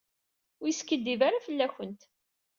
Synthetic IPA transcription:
wjskːəd̪ːivaɾafəlːæçənt̪

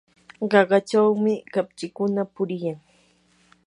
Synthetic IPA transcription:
ɢɑɢɑt͡ʃawmɪkapt͡ʃɪkʊnapʊɾɪjaŋ

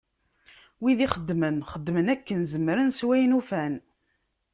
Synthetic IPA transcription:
wiðiχəd̪ːmənχəd̪ːmənækːənzəmːɾənswæjnufæn

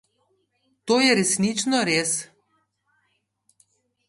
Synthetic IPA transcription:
t̪oːjɛɾɛsnit͡ʃnɔɾeːs

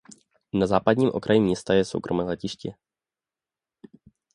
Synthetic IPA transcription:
nazaːpadɲiːmʔokɾʔajimɲɛst̪ajɛso̞̰wkɾomɛːlɛcɪʃcɪ

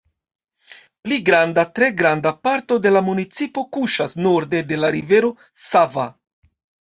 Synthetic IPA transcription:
pliɡɾandatɾe̞ɡɾandapaɾto̞de̞lamunit͡sipo̞kuʃasnoɾde̞de̞laɾive̞ɾo̞ | sava

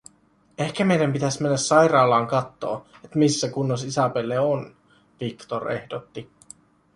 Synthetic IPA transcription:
e̞hkæme̞jdæmpit̪æsmenːæsːɑjrɑːlɑːŋkɑt̪ːo̞̰ːet̪misːækunːos̬isɑpelːeon | ʋikt̪ore̞hdot̪ːi

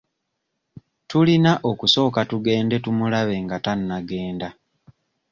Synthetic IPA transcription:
tulinaʔokuso̞ːkatuɡe̞ːnde̞tumulaβe̞ŋɡatanːaɡe̞ːnda

